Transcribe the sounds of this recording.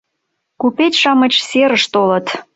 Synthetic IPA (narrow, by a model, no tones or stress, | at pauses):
kupetʲʃɑmə̆t͡ɕseɾəʃt̪olə̆t̪